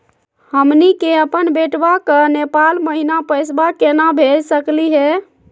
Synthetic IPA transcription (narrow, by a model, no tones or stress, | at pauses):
həmnikeəpənbeʈbakənepalməɦinapəjs̬bakenabʱelsəkliɦɛ